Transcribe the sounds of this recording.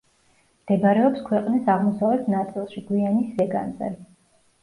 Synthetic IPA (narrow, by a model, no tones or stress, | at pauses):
md̪̥ɛbaɾɛɔpskʰwɛqʼnisaʁmɔsavɛt̪ʰnat̪sʼilˠʃiɡwianisːɛɡa̰nzɛ̰li